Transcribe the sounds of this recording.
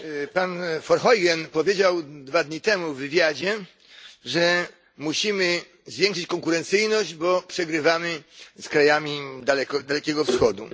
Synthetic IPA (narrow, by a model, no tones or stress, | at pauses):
panfɔɾxɔjɡɛnpɔvʲjed͡ʑawd̪vad̪ɲit̪ɛmuvːɘvʲjad͡ʑɛ | ʐɛ | muɕimɘ | zvʲjɛ̃ŋkʂɘt͡ɕkɔŋkuɾɛnt̪sɘjnɔʑd͡ʑbɔpʂɛɡɾɘvamɘskɾajamʲid̪alɛkd̪alɛkʲɛɡɔfsxɔd̪ṵ